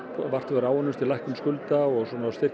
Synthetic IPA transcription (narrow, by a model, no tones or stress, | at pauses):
var̥t̪vɛɾaːwɔnːʏmst̪ʰɪlajhkʏmskʏlt̪aɔɣswɔːnaːst̪ɪr̥